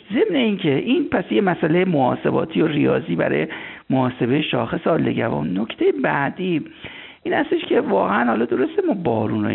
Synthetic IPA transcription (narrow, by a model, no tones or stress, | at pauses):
ze̞mne̞incʰe̞ʔiːnpʰæsjemæsælejemoɒ̰ːse̞bɒ̰ːt̪ʰijorijɒ̰ːziːbæ̰ɾɒ̰ːjemoɒːse̞bejeʃɒːxe̞seɒːlːe̞̰ɟævɒ̰ːmnokt̪ʰejebæd̪iː | ʔiːnhæst̪e̞ʃcʰʲe̞vɒːɣeænhɒlɒd̪o̞ɾo̞st̪emɒːbɒːɾuːno̰